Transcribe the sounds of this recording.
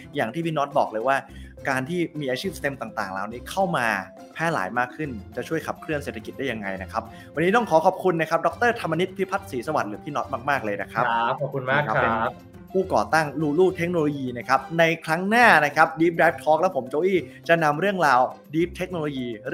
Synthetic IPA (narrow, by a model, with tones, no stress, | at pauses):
jaː˨˩ŋt̪ʰiː˥˩pʰiː˥˩nɔ˦˥t̪̚bɔː˨˩k̚lɤː˧jwaː˥˩kaː˧nt̪ʰiː˥˩miː˧ʔaː˧t͡ɕʰi˥˩p̚t̪e˧mt̪aː˨˩ŋt̪aː˨˩ŋlaː˧wniː˦˥kʰa˥˩wmaː˧ | pʰɛː˥˩la̰ː˩˦jmaː˥˩kʰːɯ˥˩nt͡ɕa˨˩t͡ɕʰu˥˩əjkʰa˨˩p̚kʰɾɯ˥˩ənseː˨˩t̪ʰa˧ki˨˩t̪̚daː˥˩ja˧ŋa˧jna˦˥kʰa˦˥p̚ | wa˧nːiː˦˥t̪ɔ˥˩ŋkʰɔː˩˦kʰɔː˨˩p̚kʰu˧nːa˦˥kʰa˦˥p̚dɔ˦˥k̚t̪ɤː˥˩t̪ʰa˧mːa˧ni˦˥t̪̚pʰi˦˥pʰa˦˥t̪̚siː˩˦sa˧wa˨˩lɯː˩˦pʰiː˥˩nɔ˦˥t̪̚maː˥˩k̚maː˥˩k̚lɤː˧jna˦˥kʰɾa˦˥ɔ˨p̚kʰu˧nmaː˧˥˩ka˦˥pe˧n | pʰuː˥˩kɔ̰ː˨˩t̪a˥˩ŋluː˧luː˥˩t̪ʰe˦˥k̚noː˧loː˧jiː˧na˦˥˩kʰa˦˥p̚na˧jkʰɾa˦˥ŋnaː˥˩na˦˥kʰa˦˥p̚diː˦˥p̚daː˦˥jp̚t̪ʰɔː˦˥k̚lɛ˦˥wpʰo˩˦mt͡ɕoː˧ʔiː˥˩t͡ɕa˨˩na˧mɾɯ˥˩əŋɾaː˧wdiː˦˥p̚t̪ʰe˦˥k̚noː˧loː˧jiː˧ɾɯ˥˩